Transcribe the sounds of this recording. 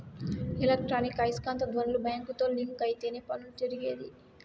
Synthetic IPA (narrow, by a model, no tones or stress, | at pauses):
ilek̚ʈɾaːnikɐjskaːnt̪ɐd̪ʱʋɐnɐlubʱɐjaŋkut̪oːliŋkɐjt̪eːneːpɐnult̪eɾiɡeːd̪i